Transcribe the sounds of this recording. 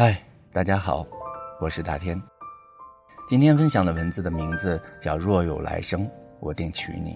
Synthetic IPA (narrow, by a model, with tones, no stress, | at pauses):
a˥˩ɪ | t̪a˥˩t͡ɕja˥xɑ˨˩˦ʊwɔ˨˩ʂɻ̩˥˧t̪a˥˩t̪ʰjɛ˥n | t͡ɕi˥nt̪ʰjɛ˥nfə˥nɕjɑ˨˩ŋlə˦wə˧˥nd͡zɹ̩˥˩d̪ə˩mi˧˥ŋd͡zɹ̩˧t͡ɕjɑ˥˩ʊɻwɔ˥˩jo˨˩ʊla̰˧˥ɪʂɤ˥ŋwɔ˨˩t̪i˥˩ŋt͡ɕʰy̰˧˥nḭ˨˩